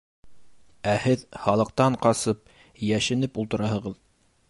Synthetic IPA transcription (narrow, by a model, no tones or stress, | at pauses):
æhɘðhɑlˠɤ̆q̚t̪ɑɴqɑsɤp̚ | jæʃɘ̆nɘpulˠt̪ɤ̆ɾɑhɤ̆ʁɤð